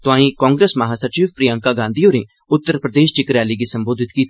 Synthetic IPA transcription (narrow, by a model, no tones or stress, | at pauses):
t̪ʊãːĩkɔ̃ːŋɡɾeːsmɐɦasəɾt͡ʃiːʋpɾijãŋkaɡãːnd̪ijoːɾẽ | ʊt̪ːəɾpɾəd̪eːʃt͡ʃɪkɾaːliɡisɐ̃mboːd̪ʱɪt̪kiːt̪